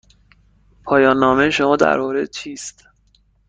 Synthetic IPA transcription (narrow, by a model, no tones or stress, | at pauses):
pʰɒːjɒːnːɒːmejʃomɒːd̪æ̰ɾmɒːɾed̪̚t͡ʃʰiːst̪